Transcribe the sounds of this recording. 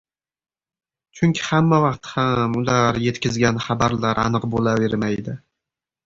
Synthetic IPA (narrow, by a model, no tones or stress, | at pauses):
t͡ʃʰʊŋʲkʲʰɪ̥hamːavɑqt̪hamʊlaɾje̞t̪kʲɪzɡʲanχabaɾlaɾa̰nɨqbolave̞ɾmajd̪ɪ